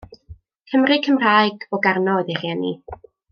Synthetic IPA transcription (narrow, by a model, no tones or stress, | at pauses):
kʰəmrɨkʰəmraːjɡɔɡarnɔðɪχjɛnḭ